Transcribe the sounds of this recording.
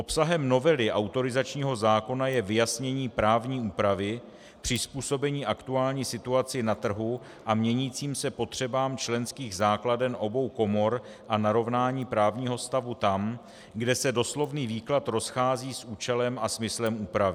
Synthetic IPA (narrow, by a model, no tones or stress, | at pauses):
ʔo̞psaɦɛmno̞vɛlɪʔawt̪o̞ɾɪzat͡ʃɲiːɦo̞zaːko̞najɛvɪjasɲɛɲiːpɾaːvɲiːuːpɾavɪ | pr̝̥ɪspuːso̞bɛɲiːʔakt̪uaːlɲiːsɪt̪uat͡sɪnat̪r̩ɦu | ʔamɲɛɲiːt͡siːmsɛpo̞t̪r̝̥ɛbaːmt͡ʃlɛnskiːɣzaːkladɛnʔo̞bo̞wko̞mo̞ɾ | ʔanaɾo̞vnaːɲiːpɾaːvɲiːɦo̞st̪avut̪am | ɡdɛsɛdo̞slo̞vniːviːklat̪ɾo̞sxaːziːsʔuːt͡ʃɛlɛmʔasmɪslɛmʔuːpɾavɪ